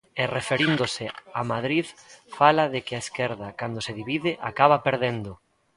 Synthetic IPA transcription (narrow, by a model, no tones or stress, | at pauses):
erefeɾind̪osɪamaðɾiðfalaðekɪaeskeɾðakand̪oseðiβiðɪʔakaβapeɾðend̪o